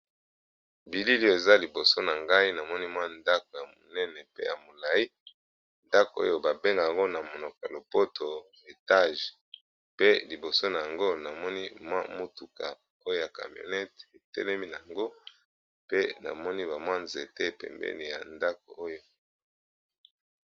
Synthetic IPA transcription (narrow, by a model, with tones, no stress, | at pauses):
bi˨li˦li˦o˨e˨za˦li˨bo˨so˦na˨ŋɡa˦i˦na˨mɔ˦ni˦mwa˦nda˦ko˨ja˨mo˨nɛ˦nɛ˨pḛ˦ja˨mo˨la˨ji˦ | nda˦ko˨o̰˦jo˦ba˨be˦ŋɡa˨a˨ŋɡo˦na˨mo˨no˨ka˨lo˨po˦tʰo˨ | e˨ta˦˨ʒ | pe˦li˨bo˨so˦na˨ja˨ŋɡo˦na˨mɔ˦ni˦mwa̰˦mo˦tu˨ka˨ | o˦jo˦ja˨ka̰˨mjo̰˨nɛ˦te˨tɛ̰˦lɛ˦mi˦na˨a˨ŋɡo˦ | pe˦na̰˨mɔ˦ni˦ba˨mwa˦nze˨te˦e˨pɛ̰˨mbɛ̰˦ni˨ja̰˨nda˦k̚o̰˨o˦jo˦